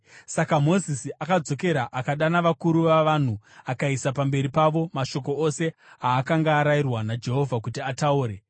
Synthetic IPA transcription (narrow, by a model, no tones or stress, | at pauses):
sakamo̞zisiʔakad͡zo̞ke̞ɾaʔakaɗanaʋakuɾuʋaʋan̤uakaisapambe̞ɾipaʋo̞maʃo̞ko̞ose̞aːkaŋɡaːɾairwanad͡ʒe̞ɦo̞vʱakutiatauːɾe̞